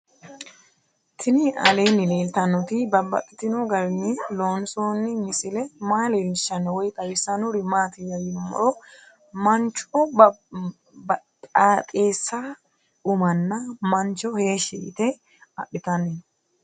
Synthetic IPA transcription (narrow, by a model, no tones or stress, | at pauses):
t̪ʰɪnɪɐ̰leːnːɪleːlt̪ɐnːɔt̪ɪbɐbːɐ̰t̪ʼːɪt̪ːɪnoɡɐɾɪnːɪloːnsoːnːɪmɪsɪlɛmaːlelɪʃɐnwɔjt̪ʼɐwɪsɐnʊɾɪmaːt̪ɪjɐjɪmːɔ̰ʔɔ | mɐnt͡ʃːɔ | aːt̪ʼeːsːa | ʊmɐnːɐmɐnt͡ʃːɔheːʃɛɪ̰t̪ɛ | ɐɗɪt̪ɐne